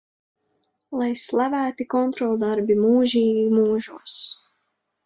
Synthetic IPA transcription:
lˠajslˠavæːt̪ikɔnt̪ɾɔlˠd̪aɾbimuːʒiːɡimuːʒuɔs

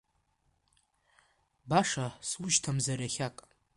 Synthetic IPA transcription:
baʂaswʊʒtʰamzaɾaχʲakʼ

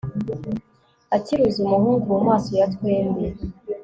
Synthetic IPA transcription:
aciɾuzumuhuːŋɡuwamaːso̞jatkweːmbe

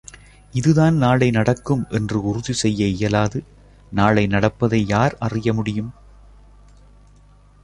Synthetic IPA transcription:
ɪðɯðaːnnaːɭɐɪnɐɽɐkːɯmʔɛndrɯʊrʊðisɛjːɐɪjɐlaːðɯ | naːɭɐɪnɐɽɐpːɐðɐɪjaːɾɐrɪjɐmʊɽɪjɯm

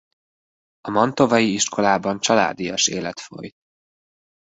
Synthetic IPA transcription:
ɒmɒnt̪o̞vɒjiiʃko̞laːbɒnt͡ʃɒla̰ːd̪ijɒʃḛːlɛt̪fo̞̰jt̪̚

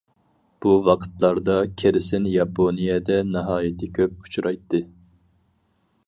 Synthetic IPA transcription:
b̥uwɑqʰə̥t̪lˠɑɾd̪ɑkʲʰeɾɪsɪnjɑpʰonijɛd̪ɛnɨɦɑːjɪt̪ʰɪkʲʰøp̚u̥t͡ʃʰuɾʔɑjt̪ʰːɨ

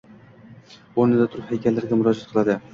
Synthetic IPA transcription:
oɾnɪd̪at̪ʰʊɾɪphajkʲalːaɾɡʲamʊɾɒd͡ʒat̪qʰɨlˠad̪ɪ

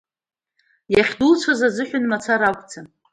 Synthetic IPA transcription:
jaχʲdult͡ʃʷʰazazɨħʷᶣʊnmat͡sʰaɾakʷʼt͡sʰa

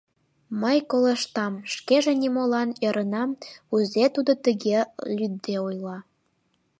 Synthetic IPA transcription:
məjkoleʃt̪ɑmʃkeʒĕnʲimolɑnjɤ̆ɾʔə̆nɑmuzet̪ud̪ot̪əɣelʲyd̪ːeujlɑ

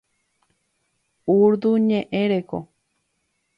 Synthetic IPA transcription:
uɾd̪uɲẽʔẽɾeko̰

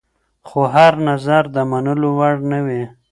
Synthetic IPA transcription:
xoɦaɾnazaɾd̪əmanəlowaɽnəwe

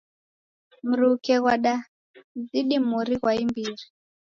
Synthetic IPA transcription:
muɾukɛɣwaɗa | d͡ziɗimuɾiɣwaimbiːri

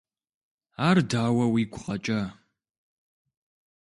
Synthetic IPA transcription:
aːrdaːwɐwiːɡʷʊqʼɐt͡ʃʼɐ

